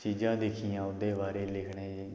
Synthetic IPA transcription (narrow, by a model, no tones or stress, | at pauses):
t͡ʃiːd͡ʒãːd̪ɪkʰijãːʊd̪eːbaːɾeːlɪkʰɽeːd͡ʒe